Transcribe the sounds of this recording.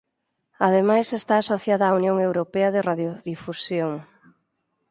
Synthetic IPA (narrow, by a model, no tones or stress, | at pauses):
að̞emajsest̪aːsoθjaðaːunjoŋewɾopeɐðɪraðjoðifusjoŋ